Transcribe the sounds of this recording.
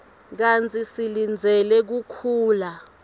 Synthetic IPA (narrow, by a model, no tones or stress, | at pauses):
k̬ant͡sʰʼisilind͡zʱɛlɛk̬ukʰuːla